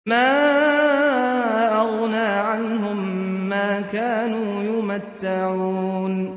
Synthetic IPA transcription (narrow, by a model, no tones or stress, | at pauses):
maː | ʔaɣnaːʕanɦʊmːaːkaːnuːjʊmat̪ːaʕuːn